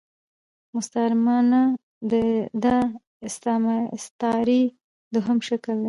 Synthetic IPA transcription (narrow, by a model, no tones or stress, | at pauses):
mʊst̪aɾmɑna | d̪əd̪a | ɪst̪ɑma̰st̪ɑɾi | d̪ʊɦamʃakəld̪e